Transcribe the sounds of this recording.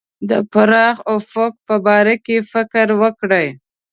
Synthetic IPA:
d̪əpaɾɑxawfok̚pəbɑɾakefɪkɾwəkɽəj

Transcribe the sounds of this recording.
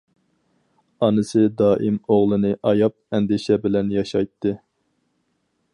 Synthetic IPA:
ɑnɨsɨd̪ɑːʔimoʁlˠɨnɨʔɑjɑp̚ɛnd̪ɪʃɛbɪlɛnjɑʃɑjt̪ʰːɨ

